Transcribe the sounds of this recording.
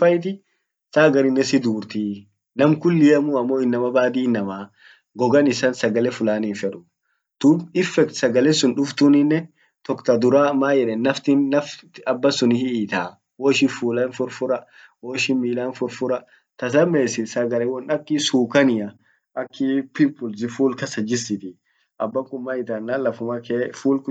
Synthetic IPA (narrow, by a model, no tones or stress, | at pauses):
ɐjt̪̬ɪ | saːɡɐɾɪnːɛsɪd̪uːɾt̪iː | nɐmkʊlːɪjɐmʊɐmːoːɪnːɐmɐbaːd̪iːnːɐmaː | ɡɔɡɐnɪsɐnsɐɡɐlɛfʊlaːniːfɛᶑʊ̥ | t̪ʊbɪfːɛkt̪sɐɡɐlɛsʊnᶑʊft̪ʊnɪnːɛ | t̪ɔkt̪ɐd̪ʊɾaːmaːjɛᶑɛnːɐft̪ɪnːɐft̪ɐbːɐsʊnɪhɪiːt̪aː | wɔʃɪfuːlɐnfʊɾfʊɾɐ | wɔːʃɪnmiːlaːnfʊɾfʊɾɐ | t̪ɐs̬ɐmeːsɪsɐɡɐlɛwɔnɐkːɪsuːkɐnɪjɐ | ʔɐkːɪpɪmpʊlsɪfuːlkɐsɐd͡ʒɪsɪt̪ɪ | ʔɐbːɐŋkʼʊmːaɪt̪aːnːalɐfʊmɐkeːfuːlk